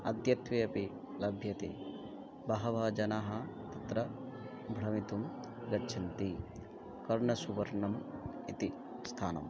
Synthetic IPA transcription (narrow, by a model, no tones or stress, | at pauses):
ɐ̰d̪jɐt̪ʋeːɐpi | lɐbʱjɐt̪ḛː | bɐɦɐʋɐd͡ʒɐnaːɦɐt̪ɐt̪ɾɐ | bʱɾɐmit̪um | ɡɐt͡ʃʰɐnt̪i | kɐɾɳɐsuʋɐɾɳɐm | it̪i | st̪ʰaːnɐ̰m